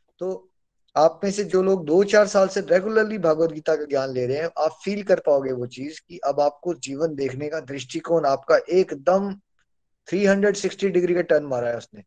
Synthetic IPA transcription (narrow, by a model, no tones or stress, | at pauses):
t̪oː | aːpmẽsed͡ʒoːloːɡ̚d̪oːt͡ʃaːɾsaːlseɾeːɡjʊləɾlibʱaːɡʋət̪̚ɡiːt̪akaɡjaːnleːɾɐɦeɛ̃aːpfiːlkɐɾpaːoːɡeʋot͡ʃiːzkiʔɐbaːp̚kod͡ʒiːʋənd̪eːkʰnekad̪ɾɪʃʈikoːnaːp̚kaʔeːkd̪ɐm | t̪ʰɾiːɦɐ̃ɳɖɾəɖsɪksʈiɖɪɡɾikaʈɐnmaːɾaɦɛʊsneː